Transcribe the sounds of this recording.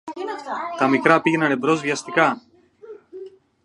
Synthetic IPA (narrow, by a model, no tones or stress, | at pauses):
t̪ɐmikɾɐpiʝe̞nɐne̞bɾo̞zvʝɐst̪ikɐ